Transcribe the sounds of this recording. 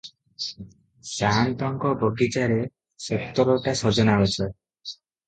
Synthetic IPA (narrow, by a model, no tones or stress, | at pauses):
sanʈ̪ɔŋkɔbɔɡit͡ʃaɾe | sek̚t̪ɔɾɔʈasɔd͡ʒɔnawet͡ʃʰɔ